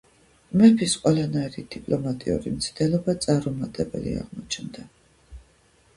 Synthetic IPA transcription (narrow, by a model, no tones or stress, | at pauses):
mɛpʰisqʼwɛlanaiɾid̪̥ipʼlɔmat̪ʼiṵɾimt̪sʰd̪ɛlˠɔbat̪sʼaɾumat̪ʼɛbɛ̰lḭa̰ʁmɔt͡ʃʰnd̪a